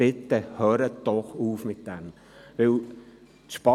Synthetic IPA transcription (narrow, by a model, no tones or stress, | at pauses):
ɪt̪ːəhøːɾəd̥ɔχuːfmɪt̪d̥ɛm | ʋɪl | t̪ʃpɑ